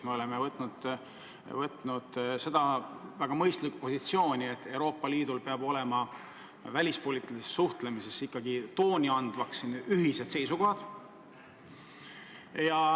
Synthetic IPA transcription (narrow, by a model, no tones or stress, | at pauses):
me̞o̞le̞mevɤt̪ːˑnud̪̥ | vɤt̪ˑnud̪̥se̞d̪ɑvæɡ̥ɑmɤjst̪likːupo̞sit̪sio̞ːnʲie̞t̪ːe̞wɾo̞ːpːˑɑliːd̪̥ulpeɑbo̞le̞mɑ | vælʲispo̞liːt̪ːˑilisesːuht̪le̞mise̞sikːɑɡit̪o̞ːnʲiɑnd̪vɑksːinyɦise̞d̪̥se̞jsuko̞hɑd̪̥ | jɑ